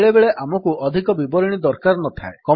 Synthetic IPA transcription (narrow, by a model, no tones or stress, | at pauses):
ɭebeɭeʔʔamɔkuɔd̪ʱikɔbibɔɾiɽ̃id̪ɔɾkaɾnɔt̪ʰa̰ekɔ